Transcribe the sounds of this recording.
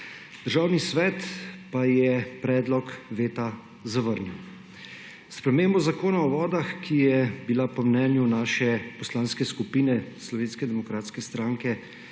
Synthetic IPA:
d̪̥əɾʒaːwnisʋɛːt̪pajɛpɾɛːd̪lɔkʋeːt̪a | zaʋəɾnɛw | spɾɛmeːmbɔzakoːnaɔʋɔːd̪axkʰijɛbilapɔmnɛːnjunaːʃɛpɔslaːnskɛskupiːnɛslɔʋeːnskɛd̪ɛmɔkɾaːt̪skɛst̪ɾaːŋkɛ

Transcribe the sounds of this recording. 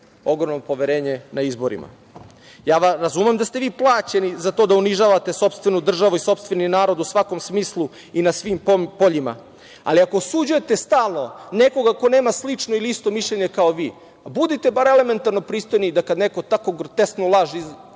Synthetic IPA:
o̞ɡɾo̞mnopoʋeɾeːɲenaizbo̞ɾḭma̰ | jaːʋaɾazumemd̪ast̪eʋiːplˠaːt͡ɕenizat̪oːd̪auniʒaːʋat̪e̞so̞pst̪ʋe̞nud̪r̩ʒaʋuiso̞pst̪ʋe̞ninaːɾo̞d̪usʋako̞msmiːslˠu | inasʋiːmppo̞ʎima̰ | a̰liakosud͡ʑujet̪e̞st̪aːlˠno̞neko̞ɡako̞neːmaslit͡ʂnoiliist̪o̞miʃʎeɲe̞kaoʋiː | bud̪it̪e̞baɾele̞me̞nt̪aɾno̞pɾiːst̪o̞jnid̪akad̪neko̞t̪akoɡrt̪est̪nolˠaʒi

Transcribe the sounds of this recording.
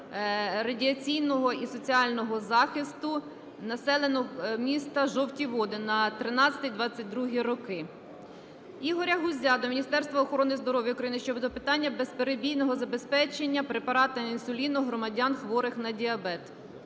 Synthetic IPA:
rɐdʲiɐt͡sʲijnɔɦɔisɔt͡sʲiɑlʲnɔɦɔzɑxɪst̪ʊ | nɐsɛlˠe̞nɔmʲist̪ɐʒɔwtʲiʋɔd̪ɪnɐt̪ɾɪnɑt͡sʲsʲɐ̥t̪ijd̪ʋɑt͡sʲːɐt̚ʲd̪ɾuɦiɾɔkɪ | iɦɔɾʲɐɦʊzʲɑd̪ɔmʲinʲist̪ɛɾst̪ʋɐɔxɔɾɔnɪzd̪ɔɾɔʋʲjɐʊkɾɐjinɪʃt͡ʃɔbd̪ɔpɪt̪ɑnʲːɐbespeɾebʲijnɔɦɔzɐbe̞spɛt͡ʃenʲːɐpɾepɐɾɑt̪ɐinsʊlʲinʊɦɾɔmɐdʲɑnxʋɔɾɪxnɐdʲiɐbɛt̪

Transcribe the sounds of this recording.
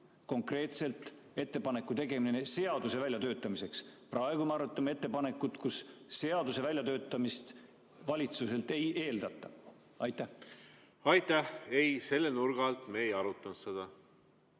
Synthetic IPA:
ko̞ŋkre̞ːt̪se̞lt̪ˑ | e̞t̪ːe̞pɑne̞kːˑut̪e̞ɡe̞minenese̞ɑd̪use̞vælʲjɑt̪ø̞ːt̪ːˑɑmise̞ksprʔɑe̞ɡ̥umeɑɾut̪ˑːɑme̞t̪ːe̞pɑne̞kːˑut̪ˑkusːe̞ɑd̪use̞vælʲjɑt̪ø̞ːt̪ːˑɑmist̪ | vɑlʲit̪suse̞lt̪ˑe̞je̞ːld̪̥ɑt̪ˑːɑ | ɑjt̪ːˑæh | ɑjt̪æhejse̞lːenuɾɡ̥ɑlt̪mejɑɾut̪ːˑɑnt̪sed̪̥ɑ

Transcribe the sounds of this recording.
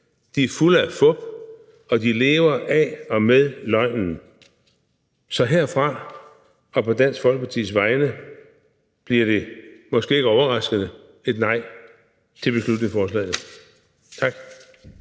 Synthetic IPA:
d̥iæɐfuləæfɔ̽b̥ | ɒ̽d̥ile̝ːʊɐʔæɒ̽meðˠlɒ̽ɪ̰nn̩ | sɒ̽ɦeɐ̰fʁɑ̈ | ɒ̽pʰɒ̽d̥æn̰sɡ̥fɒlɡ̥əpʰɑ̈t͡sʰḭːsʋɑ̈ɪnə | b̥liɐɾ̥e̝mɒ̽sɡ̥e̝̰ːe̝ɡəɒʊɐʁɑ̈sɡ̥əð̩ˠə | e̝d̥nɑ̈ɪ̰ | t͡sʰe̝lb̥e̝slud̥ne̝ŋfɒːslɛ̰ːɪð̩ˠ | t͡sʰɑ̈ɡ̥

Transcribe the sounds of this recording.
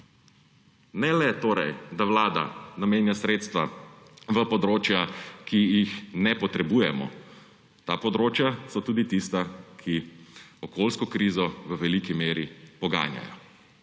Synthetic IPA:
nɛlɛt̪oːɾɛjd̪aʋlaːd̪a̰nameːnjasɾeːt̪st̪ʋaʋəpɔd̪ɾoːt͡ʃjakijixnɛpɔt̪ɾɛbuːjɛmɔ̰ | t̪aːpɔd̪ɾoːt͡ʃjasɔt̪uːd̪it̪ist̪akʰiɔkoːlskɔkɾiːzɔʋəʋɛlikimeːɾipɔɡa̰ːnja̰jɔ̰

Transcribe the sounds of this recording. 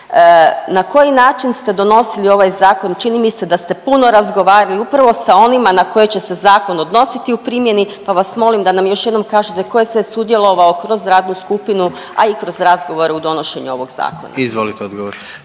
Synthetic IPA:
nako̞jinaːt͡ʃinst̪e̞d̪o̞no̞silio̞ʋajzaːko̞nt͡ʃinimise̞d̪ast̪e̞puno̞ɾazɡo̞ʋaːɾaliupɾaʋo̞sao̞nimanako̞jet͡ɕe̞se̞zaːko̞no̞d̪no̞sit̪iupɾiːmje̞nipaʋasmo̞limd̪anamjo̞ʃjed̪no̞mkaːʒet̪e̞ko̞jesʋesud̪je̞lˠo̞ʋao̞kɾo̞zɾaːd̪nuskupinu | a̰ikɾo̞zɾazɡo̞ʋo̞ɾeud̪o̞no̞ʃe̞ɲuo̞ʋo̞ɡz̥a̰ːkona̰izʋolit̪eod̪ɡoʋoɾ

